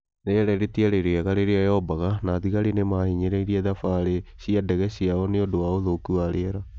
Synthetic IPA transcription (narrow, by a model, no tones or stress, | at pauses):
neɛɾɛɾetiaɾeɾeaɣaɾeɾeajɔbaɣanaðiɣaɾenemahiɲeɾeiɾiɛðafaːɾeɕiadɛɣɛɕiaɔneodowaoðokuaɾeɛɾa